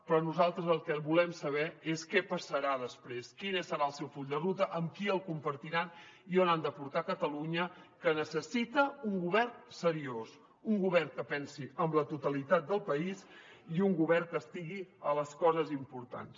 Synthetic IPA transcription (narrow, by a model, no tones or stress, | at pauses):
pɾɔnuzalˠt̪ɾəzəlˠkɛβulɛmsəβ̞ɛeskɛpəsəɾaðəspɾeskinesːəɾaəlˠsɛwfuʎd̪ərut̪əʔəmkiəlˠkumpəɾt̪iɾanionand̪əpuɾt̪akət̪əluɲə | kənəsəsit̪əuŋɡuβɛrnsəɾios | uŋɡuβɛrkəpɛnsiəmlət̪ut̪əlit̪at̪̚d̪əlˠpəis | iuŋɡuβɛrkəst̪iɣiələskɔzəzimpuɾt̪a̰ns